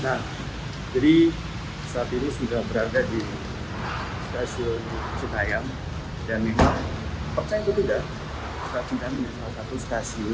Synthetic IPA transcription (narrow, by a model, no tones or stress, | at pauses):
nah | d͡ʒadi | sat̪it̪usudahbəɾadadi | st̪asiit͡ʃukajaŋ | danmemaŋpərt͡ʃajant̪ut̪uda | st̪atidanɲaslasat̪ʊst̪asi